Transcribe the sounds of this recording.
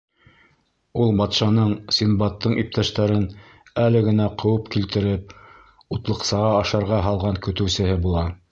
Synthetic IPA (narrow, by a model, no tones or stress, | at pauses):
ulˠbɑt̪ʃɑnɤɴsʲimbɑt̪ːɤɴip̚t̪æʃt̪æɾɘn | ælɘ̆ɡɘ̆næqʰɤ̆wɤpkilt̪ɘ̆ɾɘp̚ | ut̪lˠɤ̆qsɑʁɑːʃɑɾʁɑɦɑlˠʁɑŋkɵ̆t̪ɘ̆wsɘ̆hɘbulˠɑ